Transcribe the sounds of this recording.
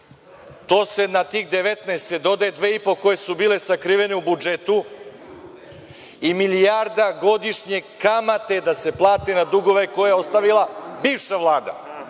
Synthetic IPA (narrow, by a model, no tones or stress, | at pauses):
t̪o̞ːse̞nat̪iːxd̪e̞ʋet̪naːst̪ed̪o̞d̪aed̪ʋe̞ːipo̞ko̞je̞subiːle̞sakɾiʋe̞ne̞ubud͡ʒet̪u | imilijaɾd̪aɡo̞d̪iʃɲe̞kamat̪e̞d̪ase̞plˠaːt̪enad̪uɡo̞ʋe̞ko̞jajeo̞st̪aʋilˠabiːʋʃaʋlˠaːd̪a̰